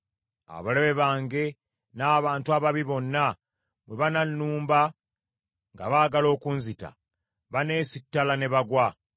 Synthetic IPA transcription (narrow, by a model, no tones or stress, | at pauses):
a̰βaleβe̞βaːŋɡe̞ | naːβaːntuaβaβiβo̞nːa | βwe̞βananːuːmba | ŋɡa̰βaːɡalo̞ːkunzita̰ | βane̞ːsitːalane̞βaɡwa